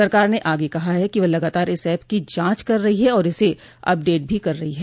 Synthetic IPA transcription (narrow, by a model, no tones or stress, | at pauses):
sɐɾkaːɾneʔaːɡekɐɦaɦɛkiʋɐlɐɡaːt̪aːɾɪsɛːpkid͡ʒãːt͡ʃkɐɾːɐɦiɦɛɔːɾɪse | ɐ̰p̚ɖeːʈ̚bʱikɐɾːɐɦiɦɛː